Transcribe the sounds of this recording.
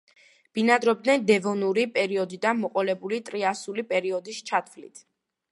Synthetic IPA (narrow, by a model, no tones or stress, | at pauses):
b̥inad̪ɾɔbd̪nɛnd̪ɛvɔnuɾipʼɛɾiɔd̪id̪anmɔqʼɔlɛbulit̪ʼɾiasulipʼɛɾiɔd̪ist͡ʃʰat̪ʰvlḭt̪ʰ